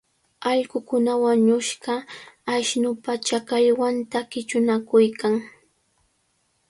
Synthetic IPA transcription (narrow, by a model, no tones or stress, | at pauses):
ɑʎɢʊkʊnawaɲʊʃɢɑːʃnʊpat͡ʃakaʎwant̪akɪt͡ʃʊnakʊjkaŋ